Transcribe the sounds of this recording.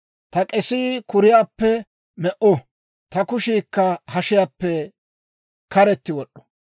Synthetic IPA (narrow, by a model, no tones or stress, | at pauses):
t̪ɐkʼɛsiːkʊɾɪjaːpːɛ | mɛʔɔ | t̪ɐkʊʃiːkːɐhɐʃɪjaːpːɛ | kɐɾɛt̪ːɪwɔɗːɔ̥